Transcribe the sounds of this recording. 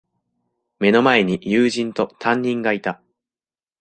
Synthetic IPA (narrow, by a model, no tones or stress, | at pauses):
me̞no̞mae̞ɲ̟ijɯːʑĩnt̪o̞t̪ʰãɲ̟ːĩŋɡait̪a